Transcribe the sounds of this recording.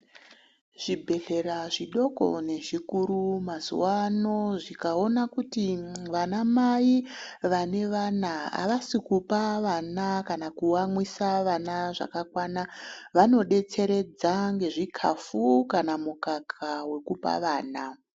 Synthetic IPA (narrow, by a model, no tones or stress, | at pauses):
ʐ̥ibʱe̞ɬe̞ɾaʐiɗo̞ko̞̰ne̞ʐikuɾumazṵwano̞ʐikao̞nakutiʋanamai | ʋane̞ʋanaa̰ʋasikupaʋanakanakuwamwisaʋanaʐa̰kakwanaʋano̞ɗe̞t͡se̞ɾe̞d͡zaŋɡe̞ʐikʰafukanamukakʰawe̞kupa̰ʋaːna